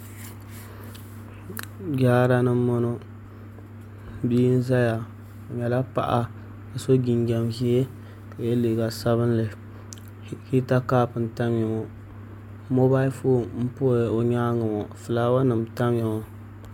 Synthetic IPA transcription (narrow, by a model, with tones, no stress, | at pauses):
ɡaː˦ɾa˦nɨ˦mː˦ɔ˦no˦ | biː˦n̩˦za˦ja˨ | o˨ɲɛ˨la˦pa̰˦ʔa˦ | a˨so˦ɡi˨nɡa˨mhi˦e˦˨ | jɛ˦le˨ɡa˨sa˦βɨ˦n˦lɨ˨ | hi˦ta˦kaː˦pɨ˨n̩˨ta˦m˦jɛ˨mɔ˨ | mo˦ba˦li˦foː˦˨m̩˦po˦˨o˨ɲaː˦ŋɨ˨mɔ˨fɨ˨la˦wa˦nɨ˨mta˦m˦ɛ˨ŋɔ˨